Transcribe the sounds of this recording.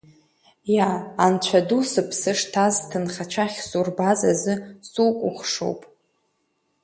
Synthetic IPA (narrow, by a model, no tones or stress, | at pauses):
jaːnt͡ɕʷʰadusɨpʰsɨʂtʰaztʰɨnχat͡ʃʷʰaχʲsurbazazɨsukʷʼʊχʂo̰wpʼ